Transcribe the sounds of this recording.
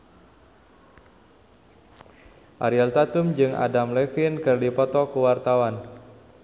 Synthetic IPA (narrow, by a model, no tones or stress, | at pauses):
ʔaɾialt̪at̪umd͡ʒɨŋʔa̰damlɛfinkɨrdipɔt̪ɔkuwart̪awan